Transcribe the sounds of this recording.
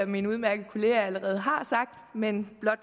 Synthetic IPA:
æminuðˠmæɐɡ̥əð̩ˠkʰo̝le̝ːææləʁɛːð̞ˠɦɑ̈sɑ̈ɡ̥̚d̥menb̥lɒ̽d̥̚

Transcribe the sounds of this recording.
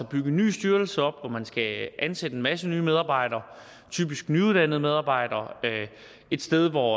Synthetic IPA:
ɒb̥yɡ̥əny̰ːsd̥yɐl̩səɒ̽b̥ʋɒmænsɡ̥æʔænsedəenmæsənyːmeð̞ˠɑ̈ːb̥ɑ̈ɪ̰d̥ɐː | t͡sʰy̰ːb̥isɡ̥nyuðˠd̥æn̰ð̞̩ˠmeð̞ˠɑ̈ːb̥ɑ̈ɪ̰d̥ɐː | e̝d̥sd̥eð̞ˠʋɒ

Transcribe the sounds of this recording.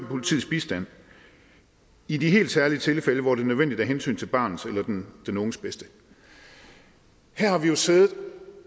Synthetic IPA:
pʰo̝lit͡sʰḭð̰ˠsb̥isd̥æn̰ | idiɦe̝̰ːld̥sæɐliət͡sʰe̝lfeləʋɒd̥e̝nøð̞ˠʋen̰d̥id̥æɐɦensy̰ːnt͡sʰe̝lb̥ɑ̈ːnð̩ˠselɐd̥ed̥enoːn̩sb̥esd̥ə | hæɐ̰hɑ̈ʋijo̝se̝ːðˠð̩ˠ

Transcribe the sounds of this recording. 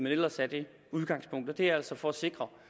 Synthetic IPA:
menel̰ɐsæd̥e̝ | uð̞ˠɡ̥ɑ̈ŋspʰɔ̽ŋ̰d̥ɒd̥e̝ææl̰sɒfɒ̽æse̝ɡ̥ʁɐ

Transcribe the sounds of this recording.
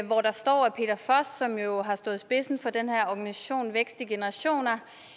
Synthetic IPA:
ʋɒɾ̥ɑ̈sd̥ɒ̰ːæpʰe̝̰ːd̥ɐfɒsd̥sɒ̽mjo̝ɦɑ̈sd̥ɔ̽ːð̩ˠsb̥e̝sn̩fɒ̽d̥enhæɐɒɡ̥ænisæɕo̝̰ːnʋeɡ̥sd̥iɡ̥e̝nəʁɑ̈ɕo̝̰ːnɐ

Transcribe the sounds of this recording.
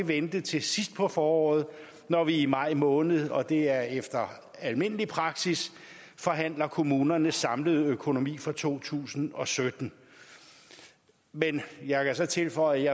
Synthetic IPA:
eʋend̥ət͡sʰe̝sisd̥pʰɒ̽fɒːɒ̰ːð̩ˠ | nɒʋiːmɑ̈ɪ̰mɔ̽ːnð̞̩ˠɒ̽d̥e̝æɐefd̥ɐ | ælme̝n̰əlipʰʁɑ̈ɡ̥sis | fɒ̽ɦæn̰lɐkʰo̝muːnɐnəsɑ̈mləð̞̩ˠøkʰo̝no̝mḭːfʁɑ̈t͡sʰo̝̰ːt͡sʰṵːsn̩ɒ̽sød̥n̩ | menjɑ̈ɪkʰæsɒ̽t͡sʰe̝lfɒ̽ɪ̰jɑ

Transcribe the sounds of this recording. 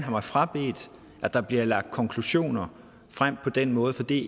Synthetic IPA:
nɦɑ̈mɑ̈ɪfʁɑ̈b̥e̝̰ːd̥ | ʔæd̥ɑ̈b̥liɐlɑ̈ɡ̥̚d̥̚kʰɒ̽ŋkʰluɕo̝̰ːnɐ | fʁam̰pʰɒ̽d̥enmɔ̽ːð̩ˠfɒ̽d̥ḭː

